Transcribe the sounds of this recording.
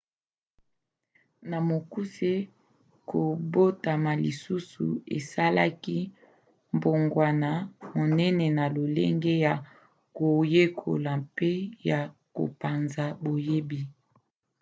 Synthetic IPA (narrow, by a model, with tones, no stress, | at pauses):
na˨mo˨ku˦se˦ | ko˨bo˦ta˨ma˨li˨su˦sṵ˨ḛ˨sa˦la˦ki˦ | mbo˨ŋɡwa˨na˨mo˨nɛ˦nɛ˨na˨lo˨lḛ˦ŋɡe˦ja˨ | ko˨je˦kʰo̰˨la˨mpe˦ja˨ko̰˨pa˨nza˨bo˨je˦bi˨